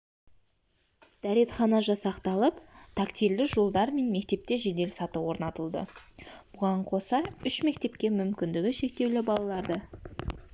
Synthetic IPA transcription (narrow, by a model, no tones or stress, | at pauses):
d̪̥æɾe̞t̪χɑnɑʒɑsɑqt̪ɑlˠəpt̪ʰɑkt̪ild̪ɪʒo̞lˠd̪ɑɾme̞nme̞kt̪e̞p̚t̪e̞ʒe̞d̪e̞lsɑt̪əwo̞ɾnɑt̪əlˠd̪ə̰b̥ʊʁɑɴqʰo̞sɑʏʃme̞kt̪e̞pkʲe̞mʏmkʲɪnd̪ɪɡʲɪʃe̞k̚t̪e̞wlɪbɑlˠɑlˠɑɾd̪ə